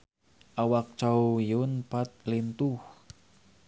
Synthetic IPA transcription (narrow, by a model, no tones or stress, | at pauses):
ʔawak̚t͡ʃawjʊnpat̪̚lint̪uh